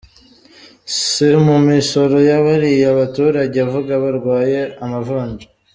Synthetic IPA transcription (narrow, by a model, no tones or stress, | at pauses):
simumiʃo̞ɾo̞jaβaɾijaβatuːɾaɟeavuɡaβaɾɡwaːje̞amavaːɲd͡ʒa